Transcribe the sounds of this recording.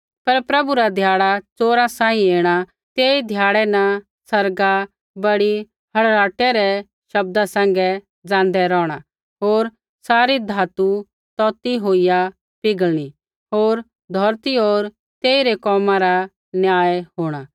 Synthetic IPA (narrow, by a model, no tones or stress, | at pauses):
pɐɾpɾɐbuɾad̪ʱjaːɽat͡soːɾãsãːĩeːɽ̃a | t̪eːid̪ʱjaːɽɛnɐ | sɐɾɡa | bɐɽi | hɐɽɾaːʈɛɾɛ | ʃɐb̚d̪asɛ̃ːŋɡɛ | d͡zãːnd̪ɛɾɔːɽ̃a | ɦoːɾ | saːɾid̪ʱaːt̪u | t̪ɔːt̪iɦoːɪja | pɪɡəɭɽ̃i | ɦoːɾ | d̪ʱɔːɾt̪iɦoːɾ | t̪eːiɾɛkɔːmãɾa | njaːɛɦoːɽ̃a